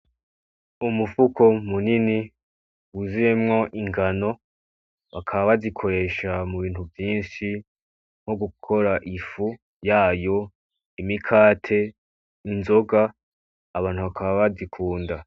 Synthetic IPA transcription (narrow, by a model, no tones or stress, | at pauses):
umufukʰo̞munini | wuziɾemŋo̞ʔiŋɡano̞ | βakʰaβaβazikʰo̞ɾe̞ːʃamuβiːnhuvjiːnʃi | ŋ̥ho̞ɡukʰo̞ɾaʔifu | jaːjo̞ | imikʰaːtʰe̞ | inzo̞ɡaː | βaːn̥huβakʰaβaβazikʰuːnda